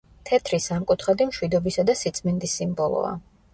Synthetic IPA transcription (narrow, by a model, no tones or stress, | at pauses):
t̪ʰɛt̪ʰɾisamkʼut̪ʰχad̪imʃwid̪ɔbisad̪asit̪sʼmɛnd̪isːimbɔlˠɔ̰a̰